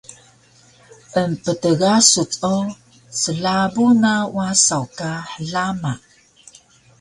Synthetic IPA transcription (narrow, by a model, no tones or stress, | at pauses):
ʔəmpətəɡasut͡sʼo | səɮabunawasawkaħəɮama